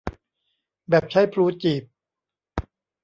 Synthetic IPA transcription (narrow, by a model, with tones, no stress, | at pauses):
bɛː˨˩p̚t͡ɕʰa˦˥jpʰɾuː˦˥t͡ɕiː˨˩p̚